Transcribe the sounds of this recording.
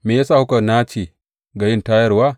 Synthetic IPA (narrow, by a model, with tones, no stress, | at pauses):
me˨ja˦saː˦˨hu˦ka˨na˦t͡ʃi˨ | ɡa˨jɪ˦nta˦jɐ˦ɾwa˦